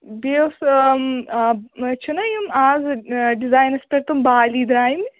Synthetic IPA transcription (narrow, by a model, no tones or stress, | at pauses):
bews | t͡ʃʰunɐjumaːzɖizaːjnɐspɐɾt̪umbaːliːd̪ɾaːjim